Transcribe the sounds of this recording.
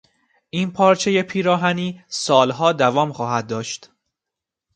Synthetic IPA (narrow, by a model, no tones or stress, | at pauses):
ʔiːnpʰɒːɾt͡ʃʰeje̞pʰiːɾɒːɦæniːsɒːlɦɒːd̪ævɒːmxɒːhæd̪̚ːɒːʃt̪